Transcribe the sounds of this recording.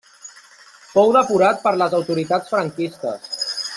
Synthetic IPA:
fɔwðəpuɾat̪̚pəɾləzəwt̪uɾit̪at͡sfɾəŋkist̪ə̰s

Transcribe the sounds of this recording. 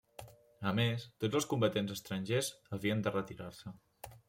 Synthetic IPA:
əmest̪od͡zəlˠskumbət̪enzəst̪ɾənɲʲʒezəβiənd̪ərət̪iɾaɾsə

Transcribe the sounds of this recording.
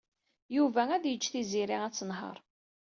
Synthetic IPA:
juvææðjət͡ʃːθiziɾiæt͡sːənɦə̰ɾˤ

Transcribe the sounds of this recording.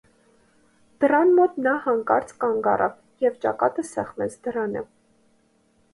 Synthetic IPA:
d̪̥əɾɑnmɔt̪nɑhɑŋkɑɾt͡skɑŋɡɑ̰rʔɑ̰v | jɛvt͡ʃɑ̰kɑt̪əsɛχmɛt͡sʰd̪əɾɑnə̰

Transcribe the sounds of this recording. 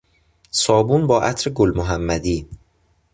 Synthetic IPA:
sɒːbuːnbɒːʔæt̪ʰɾeɡolmoɦæmːæd̪iː

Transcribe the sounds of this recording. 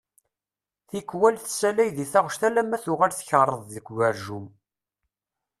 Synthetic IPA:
θikːwælθsælæjðiθaʁʃt̪ælæmːæθʊʁalθçərˤːəðˤðəɡʷɡæɾʒum

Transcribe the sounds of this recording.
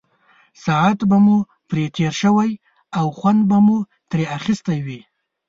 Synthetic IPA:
sɑat̪bamu | pɾet̪ʰeɾʃəwaj | awxwand̪bamu | t̪ɾeaxɪst̪ajwi

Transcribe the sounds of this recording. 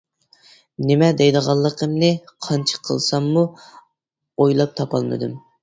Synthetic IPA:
nɪmɛd̪ɛjd̪əʁɑlˠːəqʰəmnɨqʰɑnt͡ʃʰə̥qʰə̰lˠsɑmːu | ojlˠɑp̚t̪ʰɑpʰɑ̰lˠmɨ̰d̪ɨm

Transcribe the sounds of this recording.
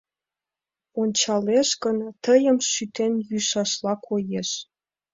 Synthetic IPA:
onʲt͡ɕɑleʃkənt̪əjəmʃyt̪enjyʃɑʃlɑkʰojeʃ

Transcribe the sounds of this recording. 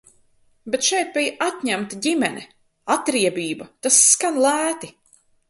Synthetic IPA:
bet̪ʃɛjt̪̚bijʔat̪ɲæmt̪aɟʲimɛnʲɛ̰ | at̪ɾiɛbʲiːbɐt̪asːkanlˠæːt̪i

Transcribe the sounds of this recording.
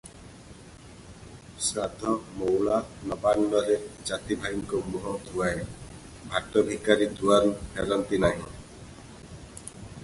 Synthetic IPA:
sɾad̪ʱɔmowlanɔbanːɔɾed͡ʒat̪ibʱaiŋkɔmuɦɔt̪ʰuae | bʱaʈɔbʱikaɾit̪ʰuaɾuheɾɔnt̪inaɦḭ̃

